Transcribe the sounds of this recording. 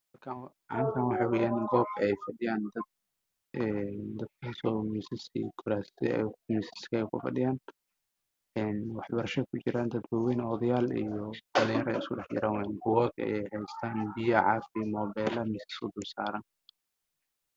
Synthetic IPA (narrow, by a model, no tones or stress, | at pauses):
ɐkʰa | ʔrɪŋk̪ʰaːnwɑħɑːwɛːjaːnɡɔːb̚kʰɐɛjfɐɖɪjaːnd̪ɐd̪̚ | ɛnd̪ɐd̪̥kʰasɔːmisɪsḭkʰʊɾaːsɛ̰misɪ̥skɐɛjkʰʊ̰fɐ̰ɖɪjaːn | ɛːnwɑħbɐɾɐʃɐkʰʊt͡ʃɪɾaːnd̪ɐd̪bʊwɛjnɔːðɐjaːlḭjɔbɐlɪjɐɾɛ̰jɪskʊɖɛħt͡ʃɪ̰ɾaːnwɛnbʊwɔːɡɐ̰jɛjhɛjst̪ʰaːnbijɐʕɑ̰fɪmɔːbɛːlɐmɪsɪ̥skʊd̪ʊrsaːɾaːn